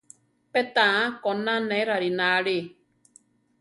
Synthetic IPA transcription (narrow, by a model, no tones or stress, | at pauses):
pɛt̪ãakɔnãnɛ̃ɾaɾinaɺi